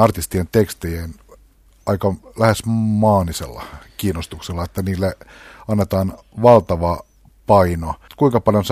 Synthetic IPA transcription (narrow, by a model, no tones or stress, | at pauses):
ɑrt̪ist̪ient̪ekst̪ejen | ɑikɑlæhesmɑːnisḛlːɑ̰kiːnːost̪ukselːɑet̪ːæniːlːeɑnːet̪ɑːn | ʋɑlt̪ɑʋɑ | pɑinokuiŋkɑpɑljons